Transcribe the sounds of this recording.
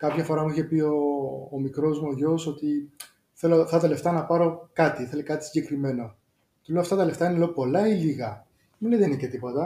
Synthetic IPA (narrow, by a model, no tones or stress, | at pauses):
kɐpçɐfo̞ɾɐmuiçe̞pio̞ːmikɾo̞zmuoʝoso̞t̪i | θe̞loft̪ɐt̪ɐle̞ft̪ɐnɐpɐɾo̞kɐt̪iθe̞lekɐt̪isi̥ɲɟe̞kɾime̞no | t̪ulɐft̪ɐt̪ɐle̞ft̪ɐinele̞opo̞lɐiliɣɐ | minlejðenicet̪ipo̞t̪ɐ